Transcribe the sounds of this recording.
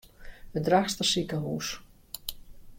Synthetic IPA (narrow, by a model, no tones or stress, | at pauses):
ədraxstəsikəɦuːs